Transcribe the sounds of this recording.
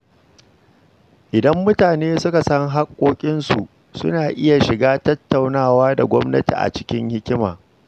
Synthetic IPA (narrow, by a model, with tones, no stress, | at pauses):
ʔɪ˨dɐ˦mːʊ˦taː˨neː˦sʊ˦ka˨sɐ˦ŋɦa˦kʷʼːoː˦kʲʼɪ˦nsu˨ | sʊ̰˦naː˨ʔɪ˦ja˨ʃɪ˨ɡaː˦tɐ˦tːa˨wnaː˦˨waː˦da˨ɡʷɔ˦mnɐ˦tḭ˨ʔa̰˨t͡ʃɪ̥˦kʲɪ˦ŋhɪ˦kʲɪ˦ma̰ː˨